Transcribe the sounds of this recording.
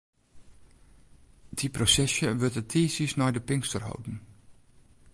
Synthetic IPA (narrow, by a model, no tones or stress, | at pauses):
d̥iprosɛsjəʋøtətʰiːsisnɔjdəpɪŋstərɦo̰wdn̩